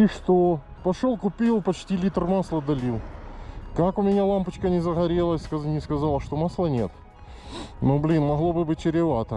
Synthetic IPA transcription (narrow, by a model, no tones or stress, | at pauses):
iʂt̪o | pɐʂolˠkʊpʲilˠpɐt͡ɕtʲilʲit̪rmaslˠəd̪ɐlʲilˠkakʊmʲɪnʲalˠampət͡ɕkənʲɪzəɣɐɾʲelˠəskɐnʲɪskɐzalˠəʂt̪omaslˠənʲet̪ | noblʲinmɐɣlˠo̞bɨbɨt̚ʲt͡ɕɪɾʲɪvat̪ə